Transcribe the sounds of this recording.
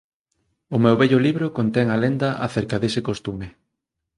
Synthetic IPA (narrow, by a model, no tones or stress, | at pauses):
ʊmɛwβɛʎʊliβɾʊkont̪ɛŋalend̪ɐʔaθeɾkɐðesekost̪ume